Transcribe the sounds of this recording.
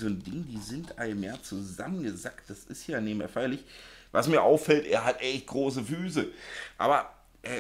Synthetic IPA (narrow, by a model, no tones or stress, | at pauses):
zoːndɪŋdiːzɪntʔa̰ɪmjaːt͡suza̰mənɡəzakt̚d̥asɪstjaːneːbmḛɐfaɪɐlɪçvasmiːɐʔaʊfːɛltʔḛːɐɦatʔɛçt̚ɡ̥ʁoːs̬əfyːs̬əʔa̰ːbɐ | ʔɛː